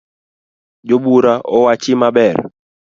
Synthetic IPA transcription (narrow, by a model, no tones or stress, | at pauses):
d͡ʒobuɾaʔɔwat͡ʃɪmabɛr